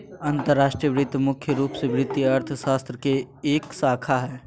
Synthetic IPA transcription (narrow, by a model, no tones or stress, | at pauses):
ɐ̃nt̪əɾːaːʃʈɾijəʋɾɪt̪ːmʊkʰjəɾuːpseʋɾɪt̪ːjiɐɾt̪ʰəʃaːst̪ɾəkeeːksaːkʰaɦɛː